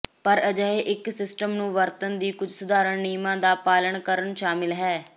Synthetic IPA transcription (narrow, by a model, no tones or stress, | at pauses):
pəɾəd͡ʒəeːʔɪksɪsʈəmnũːʋəɾt̪ənd̪iːkʊd͡ʒʱsʊd̪aːɾəɳniːmãːd̪aːpaːləɳkəɾəɳʃaːmɪlɦɛː